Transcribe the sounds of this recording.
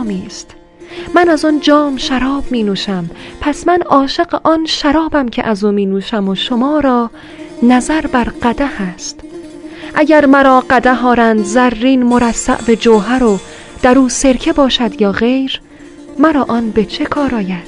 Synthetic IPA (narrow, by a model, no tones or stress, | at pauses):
miːst̪ | mænæzɔnd͡ʒɒːmʃæɾɒːbmiːnuːʃæmpʰæsmænɒːʃe̞ɢeʔɒnʃæɾɒːbæmcʰḛʔæzuːmiːnuːʃæmoʃomɒːɾɒː | næzæɾbæɾɢæd̪æhæst̪ | ʔæɟæɾmæɾɒːɢæd̪æɦɒːɾænd̪zæɾːiːnmoɾæsːæ̰ʔbed͡ʒoːɦæɾo | d̪̥æɾuːse̞ɾcʰe̞bɒːʃæd̪jɒːɣe̞jɾ | mæɾɒːʔɒːnbe̞t͡ʃʰe̞kʰɒːɾɒːjæd̪̥